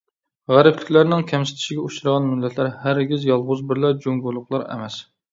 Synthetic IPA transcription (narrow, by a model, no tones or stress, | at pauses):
ʁæɾɪplɪkʲlæɾnɪŋkʲʰɛmsɪ̥t̪ʰɪ̥ʃiɡʲɛuʃuɾɨʁɑnmylːɛt̪ʰlæɾhæɾɡʲizjɑlˠʁʊzbɪɾlæd͡ʒuŋɡulˠːʊqlˠɑɾɛ̰mɛs